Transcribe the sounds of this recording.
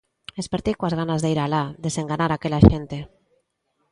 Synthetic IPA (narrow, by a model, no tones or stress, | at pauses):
espeɾt̪ikwazɣanazðeiɾalad̪eseŋɡanaɾakelaʃent̪e